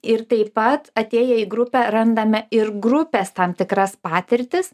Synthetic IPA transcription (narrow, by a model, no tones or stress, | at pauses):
ɪɾt̪ɐɪpɐt̪ɐt̪ʲeːjɛiɡɾʊpʲɛɾɐnd̪ɐmʲɛɪɾɡɾʊpʲɛst̪ɐmt̪ʲɪkɾɐspɑːt̪ʲɪɾʲt̪ʲɪs